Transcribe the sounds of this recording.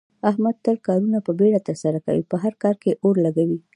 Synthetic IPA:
ahmad̪̚t̪əlkɑɾunapəbeɽat̪əɾsaɾaka̰wḭpəɦaɾkɑɾkeʔoɾlaɡawi

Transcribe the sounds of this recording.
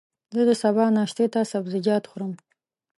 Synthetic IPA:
zɨdɨsabaːnaːʃtʰetʰaːsabzɨɡʲaːtʰχʷʊrɨm

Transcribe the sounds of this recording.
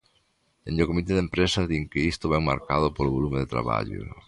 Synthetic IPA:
ḛ̃ndokomit̪eðempɾesɐðiŋkɪist̪ʊβɛŋma̰ɾkað̞ʊpolʊβolumeðet̪ɾa̰βa̰ʎʊ̰

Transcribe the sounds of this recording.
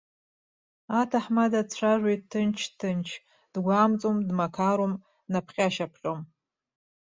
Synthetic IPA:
atʰaħmadat͡ɕʷʰaʒʷejttʰːɨnt͡ʃʰtʰɨnt͡ʃʰ | d̥ɡʷaːmt͡sʼomdmakʰaɾom | napʰχʲʼaʃapʰχʲʼom

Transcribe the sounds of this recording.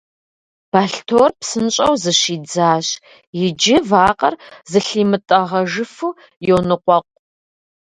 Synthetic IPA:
b̥aːɬtʰoːrpsɨnɕʼɐwzɨɕiːd͡zaːɕ | jɪd͡ʒɪvaːqʼɐ̰rzɨɬiːmɨtʼɐʁɐʒɨfuː | jownɨqʷɔqʷʼ

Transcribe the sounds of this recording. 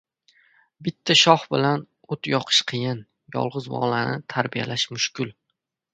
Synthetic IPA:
bɪt̪ʰːaʃɒχbɪlan | ot̪jɒqʰɨ̥ʃqʰɨjɪn | jɒ̰lˠʁɨzbɒ̰lanɪt̪ʰaɾbijalaʃmʊʃkʲɪl

